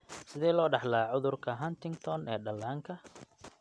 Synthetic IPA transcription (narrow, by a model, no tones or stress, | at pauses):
sɪðɛːlɔːɖɑħlaːʕʊðʊrkʰɐɦɐnt̪ɪŋɡt̪ʰɔnʔɛːɖɐlːaːŋkʰɐ